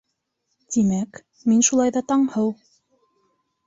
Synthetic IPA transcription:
t̪imæk | minʃulˠɑjðɑt̪ɑɴhɤw

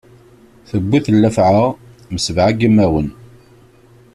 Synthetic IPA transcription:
θəbːiθəlːæfʕəʁ | məsəvʕaɡimːæwən

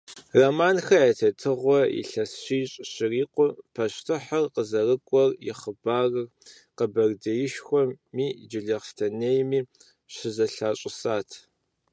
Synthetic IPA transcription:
romaːnxɐetʰɐtʰɨʁʷɔɪ̰ɬɐsɕiːɕʼɕɪriːqʷʊpʰɐɕtʰɨħɐrqəzɐrɨkʷʼɔrjɪ̰χəbaːrɨr | qəbɐrdɐjɪʃxʷɔmiːd͡ʒɪɮeʁstʰɐnejmiː | ɕɪzɐɬaːɕʼɪsaːtʰ

